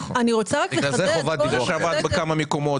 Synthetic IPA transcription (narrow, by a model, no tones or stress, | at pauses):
aniʁot͡saʁakleazeχovat̪̚bt̪avat̪bekamameko̞mo̞t